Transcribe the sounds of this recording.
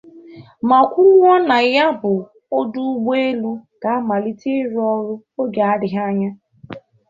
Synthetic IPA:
ma˨kʷu˦lwɔ˦na˨ja˦bʊ˨ | o˦du˦ɡ͡be˦e˦lu˦ɡa˨a˦ma˨li˦ti˦ɾɔ˦ɾʊ˦ | o˦ɡa˨a˦ɾɪ˨ɦa˦ɲa˦

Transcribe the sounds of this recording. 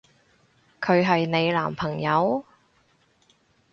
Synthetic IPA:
kʰɵ˨˧ɥɦɐ˨jne˨˧jla̰ː˨˩mpʰɐ˨˩ŋjɐ˨˧w

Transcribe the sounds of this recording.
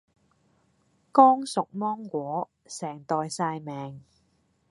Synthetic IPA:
kɔː˥ŋsʊ˨k̚mɔː˥ŋkʷɔː˨˥ | sɛː˨˩ŋt̪ɔː˨jsaː˧jmɛː˨ŋ

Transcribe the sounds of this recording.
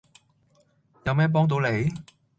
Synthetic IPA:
ja˨˧wmɛː˦˥pɔː˥ŋt̪̬uː˨˥le˨˩˦j

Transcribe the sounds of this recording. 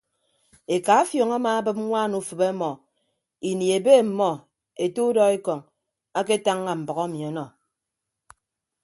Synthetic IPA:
e˨ka˨a˦fjo˨ŋa˦maː˨a˦bɨ˦p̚ŋʷa˦˨nu˦fɨ˨be˦mɔ˨ | i˨ni˨e˨be˦˨m̩˨mɔ˨ | e˨tu˦dɔ˦e˦kɔ˨ŋ | a˦ke˦ta˦ŋːa˨m̩˨bɔ˨ɣɔ˦mi˨ɔ˨˦nɔ˨

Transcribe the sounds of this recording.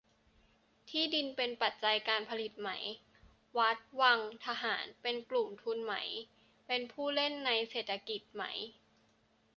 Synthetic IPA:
t̪ʰiː˥˩di˧npe˧npa˨˩t̪̚t͡ɕa˧jkaː˧npʰa˧li˨˩t̪̚ma̰˩˦j | wa˦˥t̪̚wa˧ŋt̪ʰa˧ɦaː˩˦npe˧nklu˨˩mt̪ʰu˧nma̰˩˦j | pe˧npʰuː˥˩le˥˩nːa˧jseː˨˩t̪ʰa˧ki˨˩t̪̚ma̰˦˥j

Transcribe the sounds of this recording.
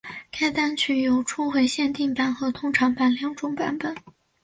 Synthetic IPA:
kʰa˥ɪt̪a˥nt͡ɕʰy˨˩jo˨˩ʊʈ͡ʂʰu˥xwe˧˥ɪɕjɛ˥˧nt̪i˥˩ŋpa˨˩nxɤ˧˥t̪ʰʊ˥ŋʈ͡ʂʰɑ˧˥ŋpa˨˩nljɑ˧˥ŋʈ͡ʂʊ˥ŋpa̰˨˧˥npə˨˩˦n

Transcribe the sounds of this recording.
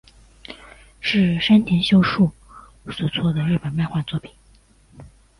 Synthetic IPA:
ʂɻ̩˥˩ʂa˥nt̪ʰɛ˧˥nɕjo˥ʊʂu˥˩ | swɔ˨˩t͡sʰwɔ˥˩d̪ə˩ɻ̩˥˩pə˨˩nma˥˧ɪxwa˥˧nt͡swɔ˥˩pʰi̥˨˩˦

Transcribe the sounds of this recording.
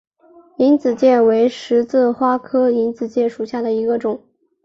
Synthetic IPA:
i˧˥nt͡sɹ̩˨˩t͡ɕjɛ˥˩we˧˥ɪʂɻ̩˧˥t͡sɹ̩˥˩xwa˥kʰɤ˥i˧˥nt͡sɹ̩˨˩t͡ɕjɛ˥˩ʂu˨˩ɕja˥˩d̪ə˩i˧˥ɡə˧ʈ͡ʂʊ˨˩˦ŋ

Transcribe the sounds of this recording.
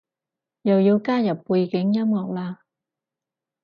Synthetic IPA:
jɐ˨wjiː˨˧wkaː˥jɐ˨˩pːuː˧jkɪ˨˥ŋjɐ˥mŋɔː˨˩k̚laː˧

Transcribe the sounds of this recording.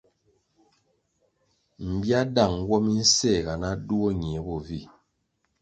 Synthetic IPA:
m̩˨bja˦da˦˨ŋ˦ɡwɔ˦mi˦n̩˦sɛ˦˨ɡa˨na˦du˦ɔ˦ɲ˨e˨˦bɔ˨vi˦˨

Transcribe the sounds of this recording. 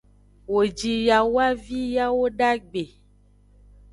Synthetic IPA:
wo˨d͡ʒi˨ja˨wa˦vi˦ja˦wo˦ɖa˦ɡ͡be˨

